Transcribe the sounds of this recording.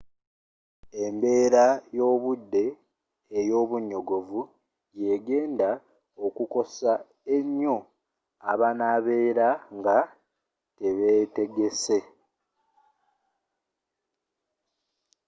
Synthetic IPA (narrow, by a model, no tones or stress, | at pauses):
e̞mbe̞ːɾajo̞ːβudːe̞ː | jo̞ːβuɲːo̞ɡo̞vu | je̞ɡe̞ːnda | okuko̞sa | emo | aβanaβe̞ːɾaŋɡa | teβete̞ɡe̞se̞